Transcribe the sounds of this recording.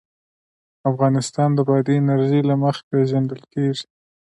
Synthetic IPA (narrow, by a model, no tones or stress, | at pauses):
afɣɑnɪst̪ɑnd̪əbɑd̪iɪnaɾʒəjlaməxḁpeʒand̪əlkeʐi̥